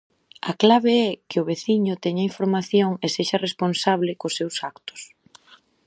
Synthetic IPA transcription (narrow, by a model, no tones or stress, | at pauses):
a̰klaβeɛkɪʊβeθiɲʊt̪ɛɲaiɱfoɾmaθjoŋeseʃɐresponsaβlɪkʊsːewsakt̪ʊ̥s